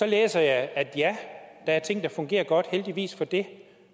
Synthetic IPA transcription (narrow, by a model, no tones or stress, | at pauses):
sɒ̽lḛːsɐjɑ̈ɪæd̥jæd̥ɑ̈æɐt͡sʰe̝ŋ̰d̥ɑ̈fɔ̽ŋɡ̥e̝̰ːɐɡ̥ɒ̽d̥held̥iʋḭːsfɒ̽d̥e̝